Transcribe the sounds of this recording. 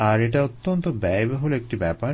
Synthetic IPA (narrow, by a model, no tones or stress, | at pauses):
aɾeʈ̬aot̪ːont̪obɛjbeɦoloek̚ʈibɛpaɾ